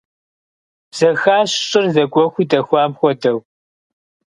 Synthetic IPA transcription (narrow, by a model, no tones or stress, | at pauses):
z̥ɐxaːɕɕʼɪrzɐɡʷɔxʷiːdɐxʷɑːmxʷɔdɐw